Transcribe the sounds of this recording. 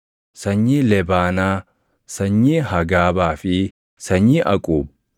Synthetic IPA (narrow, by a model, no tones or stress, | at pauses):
sɐɲːiːlɛbaːnaː | sɐɲːiːhɐɡaːbaːfɪ | sɐɲːiːʔɐkʼuːb̚